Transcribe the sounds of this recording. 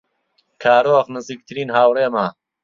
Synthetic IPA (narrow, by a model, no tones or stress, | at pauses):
kʰaːɾoːɣnɨziːk̚t̪ʰɨɾiːnɦaːwreːmaː